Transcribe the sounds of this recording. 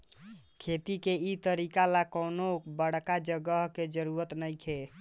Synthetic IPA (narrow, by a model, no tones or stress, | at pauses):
kʰet̪ikeit̪əɾikalakənobəɽkad͡ʒəɡəɦked͡ʒəɾuɾət̪nəjkʰe